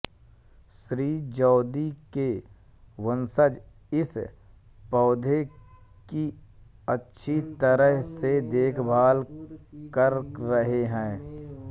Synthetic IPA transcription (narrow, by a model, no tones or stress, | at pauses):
ʃɾiːd͡ʒɔːd̪ike | ʋənsəd͡ʒ | ɪs | pɔːd̪ʱe | ki | ətːʃʰit̪əɾəɦsed̪eːkʰbʱaːlkəɾːəɦeɦɛ̃ː